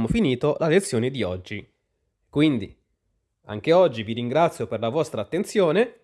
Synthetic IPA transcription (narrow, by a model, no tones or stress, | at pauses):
mofiniːt̪olalet̪sːjoːned̪iɔd͡ʒːi | kwind̪i | a̰ŋk̟eɔd͡ʒːiviɾiŋɡɾat̪sːjoperlavɔst̪ɾaːt̪ːent̪sjoːne